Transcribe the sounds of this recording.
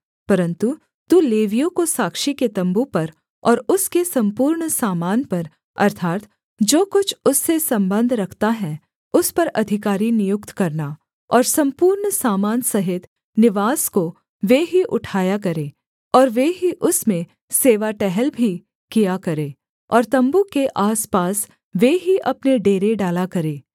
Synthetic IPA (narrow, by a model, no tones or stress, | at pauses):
pɐɾə̃nt̪u | t̪uleːʋijõkosaːkʃiket̪ɐ̃mbupɐɾ | ɔːɾʊskesɐ̃mpuːɾɳsaːmaːnpɐɾ | ɐ̰ɾt̪ʰaːt̪ | d͡ʒoːkʊt͡ʃʰʊsːesɐ̃mbə̃nd̪ʱɾɐkʰt̪aɦɛ | ʊspɐɾɐd̪ʱɪkaːɾinɪjʊkt̪kɐɾna | ɔːɾsɐ̃mpuːɾɳsaːmaːnsɐɦɪt̪ | nɪʋaːsko | ʋeːɦiʔʊʈʰaːjakɐɾẽː | ɔːɾʋeːɦiʔʊsmẽ | seːʋaʈɛɦɛlbʱi | kijakɐɾẽː | ɔːɾt̪ɐ̃mbukeʔaːspaːs | ʋeːɦiʔɐpneɖeːɾeɖaːlakɐɾeː